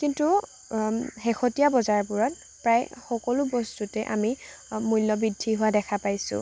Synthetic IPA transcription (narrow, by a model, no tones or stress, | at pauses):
kintu | xɛxʰɔtijabɔzaɹpuɹɔt̚ | pɹajxɔkɔlʊbɔstutɛʔami | mujlːɔbidʱːiɦʊwadɛkʰapajsʊ̰̃